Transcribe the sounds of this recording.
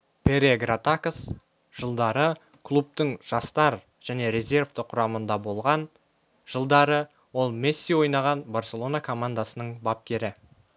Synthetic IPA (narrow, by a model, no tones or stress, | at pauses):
pʲʰe̞ɾeɡɾat̪akəs | ʒ̥əlˠd̪ɑɾə | kʰlˠup̚t̪əɴʒ̥ɑst̪ɑɾ | ʒ̥æne̞ɾe̞zʲe̞rvt̪əqʰʊɾɑmənd̪ɑbo̞lˠʁɑn | ʒ̥əlˠd̪ɑɾə | wo̞lˠmesːijwo̞jnɑʁɑnbarsʲe̞lˠo̞nakʰo̞mand̪asənəɴbap̚kʲe̞ɾɪ